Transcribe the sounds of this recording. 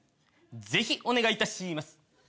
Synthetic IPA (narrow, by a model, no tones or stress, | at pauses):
d͡ze̞çiʔo̞ne̞ɡait̪aɕimasɨ̥